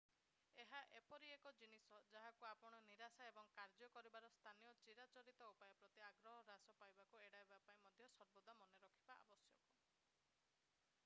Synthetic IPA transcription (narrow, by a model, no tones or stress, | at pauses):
eɦaʔepɔɾiekɔd͡ʒinisɔd͡ʒaɦakuapɔɽ̃ɔniɾasaebɔŋkaɾd͡ʒɔkɔɾibaɾɔst̪ʰanijɔt͡ʃiɾat͡ʃɔɾit̪ɔupajɔpɾɔt̪iaɡɾɔɦɔɾasɔpajbakueɽaibapaĩmɔd̪ʱjɔsɔɾbod̪ʱɔmɔneɾɔkʰibaʔa̰bɔsjɔku